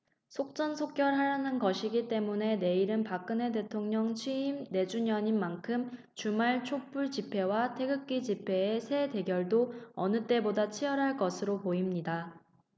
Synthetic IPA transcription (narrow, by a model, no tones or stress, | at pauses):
sʰok̚t͡ɕ͈ʌnsʰok̚k͈jʌɾɦaɾanɯnkʌɕʰiɡit͈e̞mune̞ne̞iɾɯnpak͈ɯne̞t̬e̞tʰoŋɲʌŋt͡ɕʰɥiːmne̞d͡ʑuɲʌɲinːankʰɯm | t͡ɕumaɭt͡ɕʰop͈uɭt͡ɕipʰe̞watʰe̞ɡɯk̚k͈id͡ʑipʰe̞ːsʰe̞de̞ɡjʌɭdoʌ̰nɯt͈e̞bodat͡ɕʰiʌɾɦaɭk͈ʌsʰɯɾopoimɲida